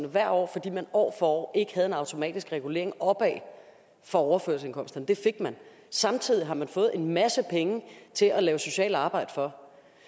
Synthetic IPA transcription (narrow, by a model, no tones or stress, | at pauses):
nəʋæɐ̰ɒ̰ːfɒ̽d̥ḭːmænɒ̰ːfɒɒ̰ʔe̝ɡ̥ə̥hæð̞̩ˠe̝nɑ̈ʊt͡sʰo̝mɛ̰ːd̥isɡ̥ʁɛɡ̥ule̝ɐeŋɒ̽b̥ɛː | fɒ̽ɒʊɐføɐlse̝nŋkʰɒ̽m̰sd̥ɐnd̥e̝fe̝ɡ̥mæn | sɑ̈mt͡sʰið̞̰ˠiɦɑ̈mænfɔ̽ːð̩ˠe̝nmæsəpʰeŋət͡sʰe̝lʔælɛːʊso̝ɕɛ̰ːlɑ̈ːb̥ɑ̈ɪ̰d̥ə̥fɒ̽